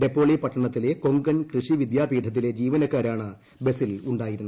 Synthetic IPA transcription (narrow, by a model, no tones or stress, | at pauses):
ɖe̞pːo̞ːɭipɐʈːɐɳɐt̪ːile̞ko̞ŋɡɐnkrɨʂiʋid̪jaːbʱiːʈʰɐt̪̬ːile̞d͡ʑiːʋɐnɐkːaːɾaːɳɨ | be̞siluɳɖaːjiɾunːu